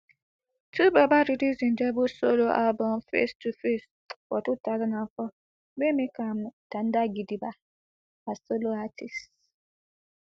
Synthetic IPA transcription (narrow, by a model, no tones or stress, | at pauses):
tʰubəbaɾidizĩndɛbosoloʔalbɔmfḛstufes | fɔtutalnafɔ | bemekamtãndaɡidiba | asoloatʰis